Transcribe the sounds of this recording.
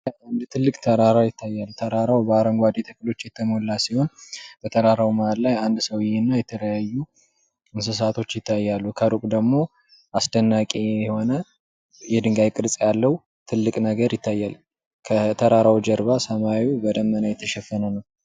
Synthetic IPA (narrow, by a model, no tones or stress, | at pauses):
and̪t̪ʰɨlːɨkʼt̪ʰəɾaɾawjɪt̪ʰːajːalt̪ʰəɾaɾawbəaɾəŋɡʷad̪et̪ʰəkːɨlo̞t͡ʃːjɛt̪ʰːəmolːasiho̞nb̥ət̪ʰəɾaɾawmaallajand̪səwɪjɛnːajɛt̪ʰələjajːu | ɨns̬ɨs̬at̪ʰo̞t͡ʃːjɪt̪ʰːajːalːukʰəɾukʼd̪əɡmo̞ | ʔasd̪ənːakʼeɛho̞nə | jɛd̪ɨŋɡajkʼɨɾt͡sʼjalːəw | t̪ʰɨlːɨkʼnəɡəɾjɪt̪ːajːal | kʰət̪ʰəɾaɾawd͡ʒəɾβasəmawibəd̪əmːənajɛt̪ʰːəʃɛfːənənəw